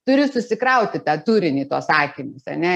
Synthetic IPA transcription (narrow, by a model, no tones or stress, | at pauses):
t̪ʊɾʲɪsʊsʲɪkɾɐʊt̪ʲɪt̪ɑːt̪uːɾʲɪnʲiːt̪uɔssɑːkʲimʊsɐ̰nʲɛ